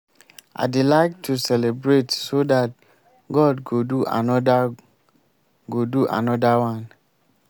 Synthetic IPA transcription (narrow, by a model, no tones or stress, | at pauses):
ʔa̰ɪdelaɪk̚tʰusɛlebɹetsodat̚ | ɡɔdɡoduʔa̰nɔda | ɡoduʔa̰nɔdawãn